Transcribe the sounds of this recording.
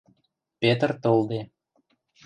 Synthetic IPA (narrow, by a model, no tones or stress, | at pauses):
pet̪ərt̪old̪e